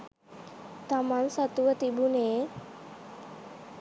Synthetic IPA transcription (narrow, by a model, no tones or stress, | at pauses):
t̪amansat̪uʋət̪ibuneː